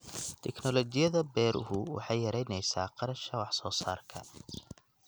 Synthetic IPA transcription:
t̪ʰɛknɔlɔt͡ʃɪjɐðɐbɛːɾʔʊ̰hʊwɑ̰ħɑjjɐɾɛjnɛjsa̰ːqɑɾɐʃɐwɑħsɔːsaːrkʰɐ

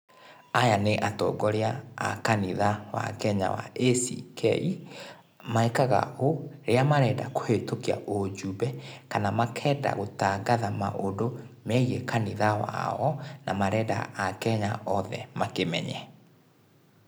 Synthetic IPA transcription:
ajaneʔatɔ̰ːɡɔɾea̰ːkaniðawa̰kɛɲa̰wa̰esḭkʰɛ̰i | maekaɣa̰oɾeamaɾɛdakohetokia̰ʔod͡ʒubɛkanamakʰɛda̰ɣotaɡaðamaʔodomɛiɣekaniðawa̰ɔnamaɾɛda̰ːkɛɲaɔðɛ̰makemɛ̰ɲɛ

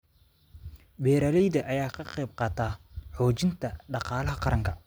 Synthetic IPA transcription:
bɛːɾɐlɛjðɐʔɐjaːkʰɐqɛjb̚qɑːt̪ʰaːħɔːt͡ʃɪnt̪ʰɐɖɑqɑːlɐɦɐqɑɾɐŋkʰɐ

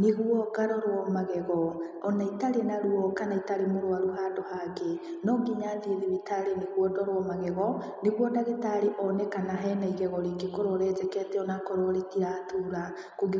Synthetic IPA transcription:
neɣwɔɡaɾɔɾwɔmaɣɛɣɔ | ɔnaitaɾenaɾuɔkanaitaɾemoɾwaɾoɦadɔhaɡenɔɡiɲaːnðieðeβitaɾeneɣwɔdɔɾwɔmaɣɛɣɔ | neɣwɔdaɣetaɾeʔɔnɛkanaɦɛnaiɣɛɣɔɾekekɔɾɔɾɛd͡ʒɛkɛtɛɔnakɔɾɔɾetiɾatʰuɾa | koɡ

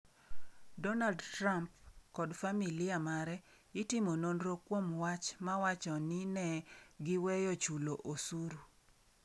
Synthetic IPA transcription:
dɔnaldtrampkɔdfamilɪjamaɾɛ | ɪtɪmononɾokwomwat͡ʃmawat͡ʃɔnɪnɛɡɪwɛjot͡ʃuloʔosuɾu

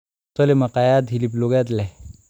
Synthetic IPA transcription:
t̪ɔlemaqajad̪ɦilip̬loɡjat̪̬lɛ

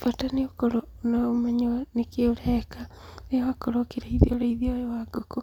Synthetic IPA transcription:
fataneokoɾo | onaomaɲnekeoɾɛka | newakoɾokiɾaiðioɾaiðiojewaɡoko

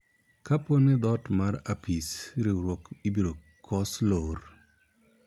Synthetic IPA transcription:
kaponɛd̪ɔtmaɾapisɾɪɾwɔkibiɾo | kʰɔslor

